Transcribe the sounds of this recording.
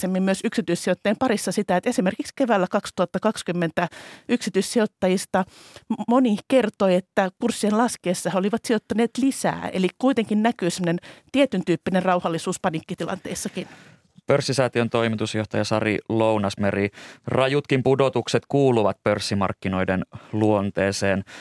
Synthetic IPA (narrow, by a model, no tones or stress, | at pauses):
semːimmyøsyksit̪yissiot̪ːɑempɑɾisːɑsit̪æet̪esimerkikskeʋæːlːækɑkst̪uɑt̪ːɑkɑkskymːent̪æyksit̪yissiot̪ːɑjist̪ɑmonikert̪oiet̪ːækursːienlɑskeːsːɑheoliʋɑt̪siot̪ːɑneːt̪lisæ̰ːḛlikkuit̪eŋkinnækyːsemːŏnent̪iet̪ynt̪yːpːinerrɑuhɑlːisuːspɑnikːit̪ilɑ̰nt̪eisːɑkin | pørsːisɑːt̪iont̪o̞imit̪usjoht̪ɑjɑsɑrḭlounɑsmerirɑjut̪kimpudot̪ukset̪kuːluʋɑt̪̚pørsːimɑ̰rkːino̞jdenluont̪eːseːn